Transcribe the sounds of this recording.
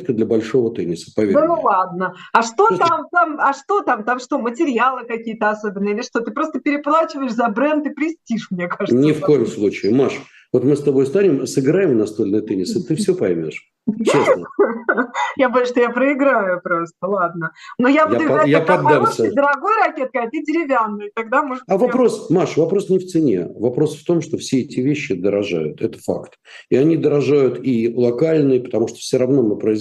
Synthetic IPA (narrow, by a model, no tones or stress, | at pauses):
t̪kəd̪lʲəbɐlʲʂo̞vət̪enʲɪsə̥pɐelˠad̪nəɐʂt̪o̞t̪amt̪amɐʂt̪o̞t̪amt̪amʂt̪o̞mətʲɪɾʲjalˠɨkɐkʲijət̪əɐso̞bʲɪnːəilʲɪʂt̪o̞t̪ɨpɾo̞st̪əpʲɪɾʲɪplˠat͡ɕɪvəɪʂzɐbɾɛnt̪ɨpɾʲɪsʲtʲiʂmnʲekaʐɨtnʲɪfk̪o̞jɪmslˠut͡ɕɪɪmaʂ | vo̞t̪mɨst̪ɐbo̞jst̪anʲɪmsɨɡɾajɪmnɐst̪olʲnɨjət̪enʲɪsɨt̪ɨfsʲɵopɐjmʲo̞̰ʂ | es | japɐʂt̪ojapɾəɪɡɾajʊpɾost̪əlˠad̪̚nənojabad̪ɐjapɐd̪ːamsʲəd̪əɾɐɡojɾɐkʲet̪̚kəɐdʲɪdʲɪɾʲɪvʲanːɨjɪt̪ɐɡ̚d̪amoʐavɐpɾo̞smaʂvɐpɾo̞snʲɪft̪sɨnʲḛvɐpɾo̞sft̪o̞mʂt̪o̞fsʲeɛtʲɪvʲeɕːɪd̪əɾɐʐa̰jʊt̪ɛt̪ə̥fa̰kt̪ | ɪɐnʲid̪əɾɐʐajʊt̪ilˠɐkalʲnɨjəpə̥t̪ɐmuʂt̪ofsʲoɾɐvno̞mɨpɾəɪ